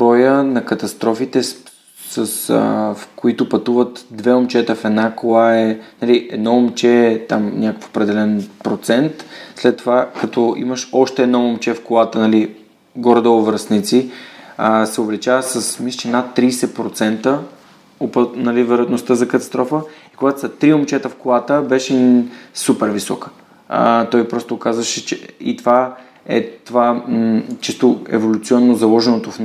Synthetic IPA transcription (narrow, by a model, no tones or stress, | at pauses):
bɾɔjənɐkɐt̪ɐst̪ɾɔfit̪ɛ | səsfkoit̪ʊpɐt̪uvət̪d̪vɛomt͡ʃɛt̪əfɛd̪nakoaɛnɐliʔɛd̪nɔomt͡ʃɛt̪amnʲakə̥fo̥pɾɛd̪ɛlɛnpɾot̪sɛnt̪slɛt̪ːovakɐt̪ɔḭməʃɔʃt̪ɛːd̪nɔomt͡ʃɛfkolˠat̪ənɐli | ɡɔɾd̪əʊvəɾsnit̪siəsɛovlɛt͡ʃavəsəsmislt͡ʃɛnat̪ːɾiːsɛpɾot̪sɛnt̪ə | opənɐlivəɾəət̪nost̪əzɐkəɐt̪ɐ̥st̪ɾɔfəikoɡat̪əsɐt̪ɾiomt͡ʃɛt̪əfkolˠat̪əbɛʃɛsupɛɾvisɔ̰kə̥ | t̪ɔjpɾɔst̪okazvəʃɛt͡ʃɛḭt̪ova | ɛ̰t̪ova | t͡ʃist̪oɛ̰volʲut̪sʲiɔnːozɐlˠɔʒɛnot̪ofn